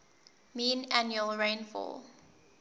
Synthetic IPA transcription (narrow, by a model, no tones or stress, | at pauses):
mĩːnænjuəlˠɹẽnfɔ̰l